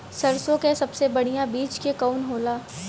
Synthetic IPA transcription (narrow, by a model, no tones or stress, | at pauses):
sɐɾsõkesɐbsebɐɽ̤ijãbiːt͡ʃkekaʊnɦoːlaː